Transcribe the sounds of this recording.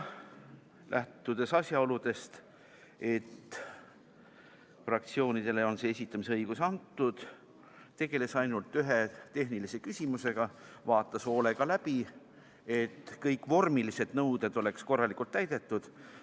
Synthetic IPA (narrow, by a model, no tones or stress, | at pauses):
lʔæ̰ht̪ːud̪̥e̞sɑsʲjɑo̞lud̪̥e̞st̪ | e̞t̪ː | frɑk̚t̪sio̞ːnid̪̥e̞le̞o̞nseesʲit̪ːˑɑmis̬eɤjɡusɑnt̪ːud̪̥ | t̪e̞ɡ̥e̞le̞sɑjnult̪ːyɦe̞t̪e̞hɦnilise̞kysʲimuse̞ɡ̥ɑvɑːt̪ːˑɑso̞ːleɡ̥ɑlæbi | e̞t̪ːkɤjkːvo̞rmilise̞d̪̥nɤwd̪̥e̞d̪̥o̞le̞ksko̞rːɑlikult̪ːæjd̪e̞t̪ːud̪̥